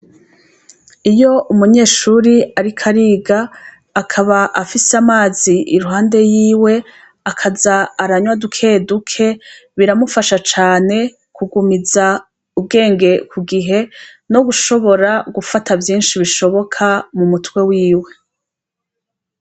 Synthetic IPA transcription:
ijo̞ʔumuɲe̞ːʃuɾiaɾikʰaɾiːɡaː | kʰaβaʔafiseamaːziʔiɾuɦaːnde̞jiːwe̞ | akʰazaːɾaɲwadukʰe̞dukʰe̞βiɾamufaʃat͡ʃaːne̞ | kuɡumiza | ub̚ɡe̞ːŋɡe̞kʰuɡiɦe̞ | no̞ɡuʃo̞βo̞ɾaɡufatavjiːnʃiβiʃo̞βo̞kʰamumutwe̞wiːwe̞

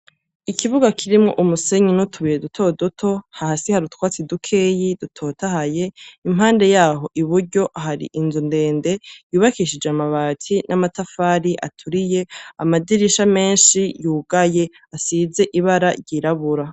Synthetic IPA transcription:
ikʰiβuɡakʰiɾimŋo̰ʔumuse̞ɲinutʰuβijedutʰo̞dutʰo̞hahasihaɾutkwaːt͡sidukʰe̞ːjidutʰo̞ːtahaje̞im̥haːnde̞jaːɦo̞ʔiβuɾɟo̞ʔaɦaɾḭʔinzunde̞ːnde̞juːβakiʃid͡ʒeamaβaːtʰinʔamatafaːɾiʔa̰tʰuɾije̞amadiɾiʃame̞ːnʃijuːɡ̥aje̞ | asize̞ʔiβaɾaɾɟiɾaβuɾa

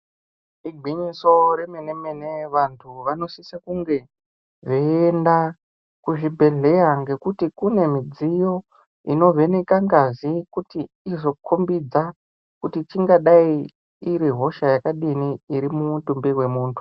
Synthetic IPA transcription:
iɡʱiɲiso̞ɾemenemene̞ʋantʰuʋano̞sisakuŋɡe̞ | ʐeenda | kuʐibʱe̞ɮe̞jaŋɡe̞kutikune̞mid͡zijo̞ | ino̞ve̞ne̞kaŋɡazikutiː | zo̞kʰombid͡za | kutit͡ʃiŋɡaɗaiː | ɾiɦo̞ʃajakaɗiniːɾimutumbiwe̞muːntʰu̥

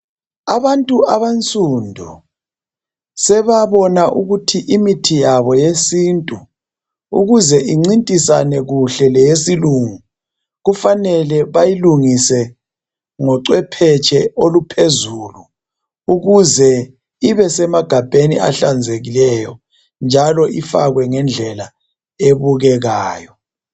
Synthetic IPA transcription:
aβantʼuʔaβant͡sʼundʱu | sɛβaβɔnaʔuɣutʰiʔimitʰijaβɔjesintʼu | ṵɣuzɛʔiŋ͡ǀintʼisanɛɣuɬɛlɛjesiluŋu | ɣufanɛlɛβajiluŋisɛ | ŋɔǀwɛpʰɛt͡ʃʼʰɛolupʰezuːlu | uɣuzɛ | iβɛsɛmaɡ̥ʱab̥ʱenḭa̰ɬand͡zʱeɣilɛjɔ | nd͡ʒʱalɔʔifa̰ɣwɛŋɛnd͡ɮʱɛla | eβuɣɛɣaːjɔ

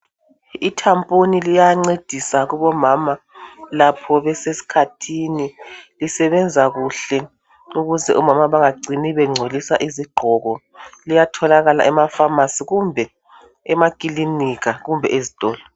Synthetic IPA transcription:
itʰampʼonilijaŋ͡ǀed̥ʱisaɣuβɔmama | lapʰɔβɛsesi̥kʰatʰinilisɛβɛnd͡zʱaɣuɬɛ | uɣuzɛ̰ʔumamaβaŋaɡ͡ǀʱiniβɛŋ͡ǀʱolisaʔiziɡ͡ǃʱɔɣɔ | lijatʰɔlaɣala̰ʔɛmafamasiɣumbʱɛ | ɛmakʼiliniɣaɣumbʱɛ̰ʔezitʼɔːlɔ

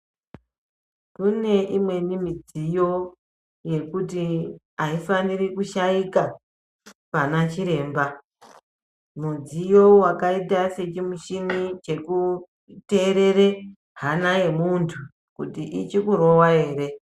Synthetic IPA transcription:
kune̞ʔimwe̞nimid͡zijo̞ | je̞kuti | aifanirikuʃaika | panat͡ʃiɾe̞ːmba | mud͡zijo̞wakaitase̞t͡ʃimuʃinit͡ʃe̞ku | te̞ːɾe̞ɾe̞ | ɦanaje̞muntʰu | kutiʔit͡ʃikuɾo̞wae̞ːɾe̞

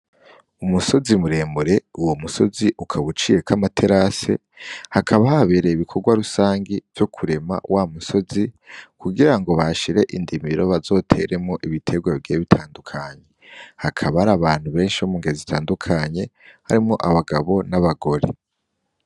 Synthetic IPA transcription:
umuso̞zimuɾe̞ːmbuɾe̞uwomuso̞ziʔukʰaβut͡ʃije̞kʰamatʰe̞ɾase̞̰ | hakʰaβahaβeːɾeiβikʰo̞ɡwaɾusaːŋɡiv̥jo̞kʰuɾe̞ma̰wʔamuso̞zikuɡiɾaŋɡo̞βaʃiɾe̞ʔindimiɾo̞βazo̞ːtʰe̞ɾʔe̞mŋo̞ʔiβitʰe̞ɡwaɡeːβitʰaːndukʰaɲe̞hakʰaβaaɾaβaːn̥huβe̞ːnʃiomuŋɡezitʰaːndukʰaɲe̞ | haɾimŋo̞ʔaβaɡaβo̞naβaɡo̞ɾḛ

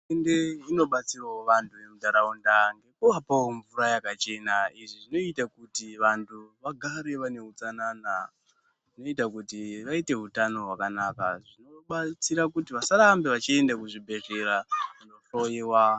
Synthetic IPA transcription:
ende̞ino̞ɓat͡siraoʋantʰuʋe̞mudʱaɾaundaŋɡe̞kuʋapaoɱvuɾajakat͡ʃe̞naiʐiʐino̞itakutiʋantʰuʋaɡʱaɾe̞ʋane̞ɦut͡sanana | ʐino̞itakutiʋaite̞ɦutano̞ɦwakanaka̰ʐinoɓat͡siɾakutiʋasaɾambeʋat͡ʃie̞ndakuʐibʱe̞ʐe̞ɾaʋano̞ɬojiwa

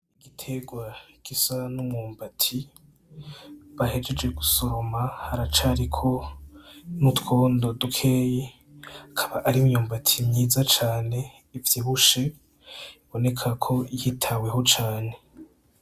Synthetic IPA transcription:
iɡitʰeɡwaɡ̥isanumŋuːmbatʰi | βahe̞d͡ʒe̞d͡ʒɡe̞ɡusoɾomahaɾat͡ʃaɾikʰo̞ | nutko̞ːndo̞dukʰe̞ːje | akʰaβaʔaɾimjuːmbatʰimɲiːzat͡ʃaːne̞ | ivjiβuʃe̞ | iβo̞ne̞kʰakʰo̞ihitʰawe̞ɦo̞t͡ʃaːne̞

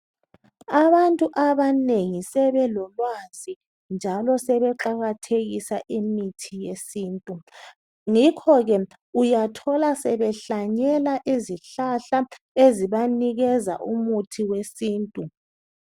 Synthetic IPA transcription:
aβantʼuʔaβaneŋisɛβɛlɔlwazi | nd͡ʒʱalɔsɛβɛǃaɣatʰeɣisaʔimitʰijesiːntʼu | ŋikʰɔɣɛ | ujatʰɔlasɛβɛɬaɲɛlaʔiziɬaɬa | eziβaniɣɛza̰ʔumutʰiwesiːntʼu

